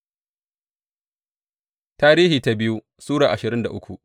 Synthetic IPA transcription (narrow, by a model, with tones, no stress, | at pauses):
taː˦ɾiː˦hiː˨ta˦bɪ˦ju˦ | suː˦ɽaː˨ʔa˨ʃɪ˨ɾɪ˦nda˨ʔʊ˦kʷu˨ʔ